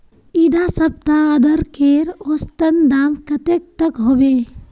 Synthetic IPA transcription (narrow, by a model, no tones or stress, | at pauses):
id̪asɐp̚t̪aːd̪əɾkeɾost̪ənd̪aːmkɐt̪ek̚t̪əkɦobe